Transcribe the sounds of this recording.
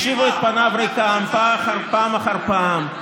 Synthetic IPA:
ʃivuet̪̚panavɾejkampaχaɾpaːmaχaɾpam

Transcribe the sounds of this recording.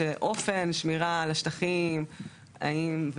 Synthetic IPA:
eʔo̞fenʃmiʁalaʃtaχim | a̰imv

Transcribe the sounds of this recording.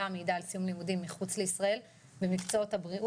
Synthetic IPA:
ameid̪aːlsijumlimudimːiχut͡sle̞isʁae̞l | bemikt͡soot̪habʁiʔ

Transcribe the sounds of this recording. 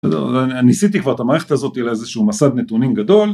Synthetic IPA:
sɛ̰d̪ḛnnisit̪̬ikvaʁet̪amaːʁeet̪azo̞t̪ijlaezeʃuːmasad̪net̪unimɡad̪o̞l

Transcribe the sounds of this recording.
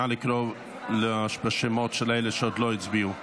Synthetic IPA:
alɪkɾov | ləaʃbəʃɪmɔtʃɪleɪləʃɔdlˠoːɪt͡sbiːu

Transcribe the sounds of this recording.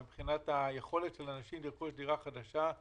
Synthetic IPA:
ibχinat̪ajeχo̞le̞tʃelanaʃimliʁkuʃdiʁaχad̪aʃa

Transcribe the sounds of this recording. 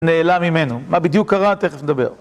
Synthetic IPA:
neːlamimenumabid̪jukːaʁat̪e̞χefned̪abe̞̰ʁ

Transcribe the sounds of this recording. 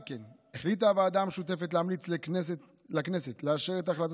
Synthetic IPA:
ken | eχlit̪avaːd̪amʃut̪̬e̞fetleamlit͡sles | lakneset̪leaʃeʁetaχlat̪

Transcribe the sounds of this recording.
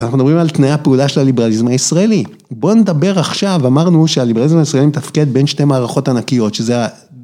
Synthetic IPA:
anaχnud̪abʁimalt̪najapeulaʃelalibealizmhaisʁae̞li | bo̞ned̪abe̞ʁaχʃavamaʁnuʃealibealizmaisʁaelimet̪afke̞d̪be̞nʃte̞maːʁaχo̞tanakijo̞tʃezea

